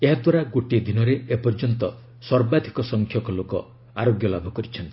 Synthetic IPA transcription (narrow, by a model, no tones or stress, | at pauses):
eɦad̪waɾaɡoʈed̪ʱinɔɾeepɔɾd͡ʒɔnt̪ɔ | sɔɾbad̪ʱikɔsɔŋkʰjɔkɔlokɔ̰ | aɾoɡjɔlabʱɔkɔɾit͡ʃʰɔnt̪i̥